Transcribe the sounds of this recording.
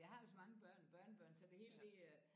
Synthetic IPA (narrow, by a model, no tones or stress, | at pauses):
jɑ̈ɪhɑ̈jo̝sɒ̽mɑ̈ŋəb̥ɶɐ̰nb̥ɶɐnəb̥ɶɐ̰nsɒd̥e̝he̝̰ːld̥e̝